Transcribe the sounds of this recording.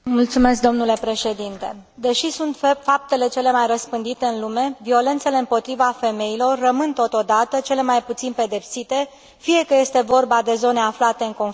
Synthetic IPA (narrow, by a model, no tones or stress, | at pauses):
mult̪sume̞sk̚d̪o̞mnule̞pɾe̞ʃe̞d̪int̪e̞̰ | d̪e̞ʃisunt̪fap̚t̪e̞le̞t͡ʃe̞le̞majrəspɨnd̪it̪e̞ɨnlume̞vio̞le̞nt̪se̞le̞ɨmpo̞t̪ɾivafe̞me̞ilo̞rːəmɨnt̪o̞t̪o̞d̪at̪ət͡ʃe̞le̞majput̪sinpe̞d̪e̞psit̪e̞ | fije̞kəje̞st̪e̞vo̞rbad̪e̞zo̞ne̞aflat̪e̞ɨŋko̞n